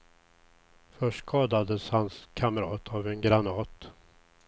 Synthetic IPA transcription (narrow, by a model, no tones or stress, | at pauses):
fœʂʈkʰɑːd̪ad̪əshanskʰaməɾɑːt̪ʰavɛnɡɾanɑːt̪